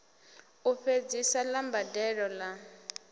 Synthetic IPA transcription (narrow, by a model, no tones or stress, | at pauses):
uɸed͡zisalambadɛɺɔla